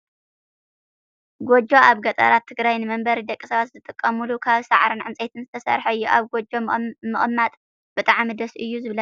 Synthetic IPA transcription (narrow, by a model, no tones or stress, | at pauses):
ɡod͡ʒo̞ʔaβɡɐt̪ʼɐ̰ɾat̪ʰːɨɡɾajnɨmɐmbɐɾid̪ɐkʼisɐβat̪zɨt̪ʼɨkʼːɐmulukʰaβsaʕɾɨnʕɨnt͡sʼet̪ʰɨnzɨt̪ʰɐsɐ̰ɾħɐɨjːuʔaβɡod͡ʒo̞mɨχʼmːat̪ʼ | b̥ɨt̪ʼaʕmid̪ɐsʔɨjːuzɨβlɐ